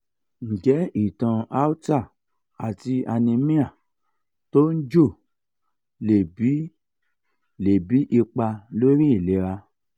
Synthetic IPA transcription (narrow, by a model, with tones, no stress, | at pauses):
ŋ̩˨d͡ʒɛ˨˦i˦˨tã˧a˦u˦ta˦˨ | a˨ti˧a˧nĩ˧mĩ˦a˦˨ | to˦n̩˦d͡ʒo˦˨ | le˨bi˨˦ | le˨bi˨˦ʔi˧k͡pa˧lo˦ɾĩ˦i˦˨le˨˦ɾa˧